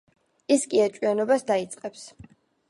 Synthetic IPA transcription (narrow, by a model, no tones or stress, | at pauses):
iskʼiat͡ʃʼianɔbasd̪ait̪sʼqʼɛps